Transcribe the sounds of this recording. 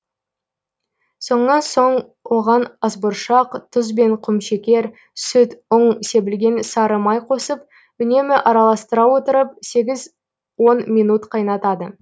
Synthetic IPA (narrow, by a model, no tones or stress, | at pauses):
so̞ɴənɑnso̞ɴ | wo̞ʁɑnɑzbʊɾʃɑqt̪ʰʊzbe̞ɴqʰʊmʃekʲe̞ɾ | sʏt̪ʊɴse̞bɪlɡʲe̞nsɑɾəmɑjqʰo̞səp̚ | ʏne̞mɪʔɑɾɑlˠɑst̪əɾɑwo̞t̪əɾəp̚se̞ɡʲɪz | wo̞nmijnut̪qʰɑjnɑt̪ɑd̪ə